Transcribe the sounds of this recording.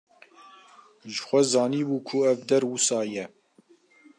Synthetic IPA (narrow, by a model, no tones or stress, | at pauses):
ʒəxʷɛzɑːniːbuːkʰʊɛvd̪ɛɾwusɑːjɛ